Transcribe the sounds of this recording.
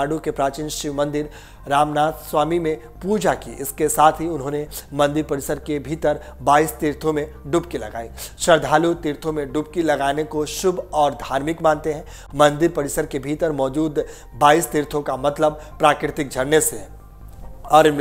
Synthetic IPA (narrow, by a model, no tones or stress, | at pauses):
aːɽukepɾaːt͡ʃɪnʃɪʋmɐ̃nd̪ɪɾ | ɾaːmnaːt̪ʰsʋaːmimẽ | puːd͡ʒakḭɪskesaːt̪ʰɦiʊnɦõːnemɐ̃nd̪ɪɾpɐɽɪsəɾkebʱiːt̪əɾ | baːist̪iːɾt̪ʰõmẽ | ɖʊpkilɐ̰ɡa̰ːiʃɐɾd̪ʱaːlut̪ɪːɾt̪ʰõmẽɖʊp̚kilɐɡaːnekoʃʊbʱɔːɾd̪ʱaːɾmɪkmãːnt̪eɦɛ̃ | mɐ̃nd̪ɪɾpɐɽɪsəɾkebʱiːt̪əɾmɔːd͡ʒuːd̪ | baːist̪iɾt̪ʰõkamɐt̪ləb̚pɾaːkɾɪt̪ɪk̚d͡ʒʱɐɽneseɦɛ | ɔːɾɪn